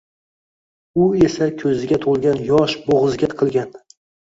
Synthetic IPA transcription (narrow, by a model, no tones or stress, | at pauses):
ʊesakʲʰɵzɪɡʲat̪ʰolˠɡʲanjɒʃboʁɨzɡʲat̪qʰɨlˠɡʲan